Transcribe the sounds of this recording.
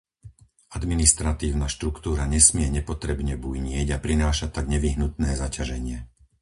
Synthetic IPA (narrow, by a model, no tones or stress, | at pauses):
ad̪minist̪ɾat̪iːʊnaʃt̪ɾukt̪uːɾaɲɛsmɪɛɲɛpɔt̪ɾɛbɲɛbujɲɪɛɟapɾinaːʃat̪ːaɡɲɛʋiɦnut̪nɛːzacaʒɛɲɪɛ